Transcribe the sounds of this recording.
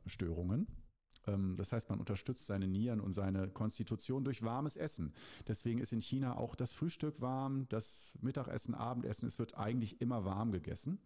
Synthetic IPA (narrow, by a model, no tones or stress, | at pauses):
ʃtøːʁ̞ʊŋən | ʔɛːmd̥ashaɪstmanʔʊ̰ntɐʃtʏt͡stz̥aɪnəniːʁənʊ̰ntz̥aɪnəkʰɔnstitʰut͡sjoːndʊɐçv̥aɐməsʔɛsn̩d̥ɛsv̥eːɡŋ̩ɪstɪnçiːnaʔa̰ʊxd̥asfʁ̥yːʃtʏkv̥aɐmd̥asmɪtaχʔɛ̰sn̩ʔa̰ːbm̩tʔɛ̰sn̩ɛsv̥ɪɐtʔaɪɡŋ̩tlɪçʔɪmɐvaɐmɡəɡɛ̰sn̩